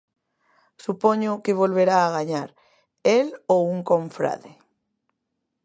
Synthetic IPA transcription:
supoɲʊkɪβ̞olβeɾaːɣaɲaɾ | elowuŋkõɱfɾa̰ðe

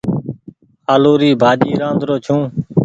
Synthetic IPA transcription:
aːloːɾiːbʱaːd͡ʒiːɾãːnd̪ɾoːt͡ʃʰũː

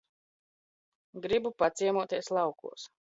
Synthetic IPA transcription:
ɡɾibupat̪siɛmuɔt̪iɛslˠɑwkṵɔs

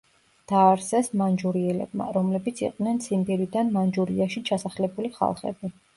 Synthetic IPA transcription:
d̪̥aːɾsɛsmand͡ʒuɾiɛlɛ̰b̚ma̰ɾɔmlɛbit̪sʰḭqʼd̪nɛnsimbiɾid̪anmand͡ʒuɾiaʃit͡ʃʰasaχlɛbuliχa̰lˠχɛ̰bi

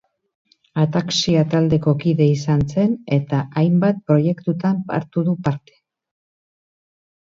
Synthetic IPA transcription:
at̪aksiat̪ald̪e̞ko̞kiðe̞isanse̞ne̞t̪aʔajmbat̪̚pɾo̞je̞kt̪ut̪ampa̰ɾt̪uðupaɾt̪e̥

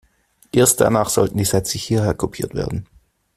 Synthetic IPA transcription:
ʔeːɐst̚d̥a̰naːχz̥ɔltn̩diːzɛt͡səhiːɐheːɐkʰopʰiːɐtv̥ḛːɐdn̩

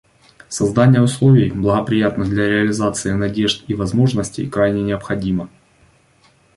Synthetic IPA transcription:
sɐzd̪anʲɪjəʊslˠo̞vʲɪjblˠəɣəpɾʲɪjat̪nɨɣd̪lʲɐɾʲɪɐlʲɪzat̪sɨɪnɐdʲe̞ʐt̪ivɐzmo̞ʐnəsʲtʲɪ̰jkɾajnʲɪnʲɪəpxɐdʲimə

